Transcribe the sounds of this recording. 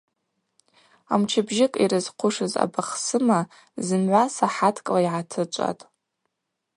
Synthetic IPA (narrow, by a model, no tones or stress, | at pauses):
a̰mt͡ʃʰɪbʒɪkʼḭɾɨz̥qʷʰʊʂɨza̰baχsɨma | zɨnʕʷasaħatʰkʼlaiʕatʰɨt͡ʃʷʼa̰tʼ